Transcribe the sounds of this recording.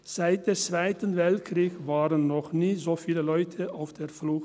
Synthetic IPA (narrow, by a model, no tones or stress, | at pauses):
z̥aɪt̚d̥eːɐt͡sv̥aɪtənvɛltkʁ̥iːçvaːʁənnɔχniːzoːfiːləlɔʏtʰəaʊfd̥eːflʊx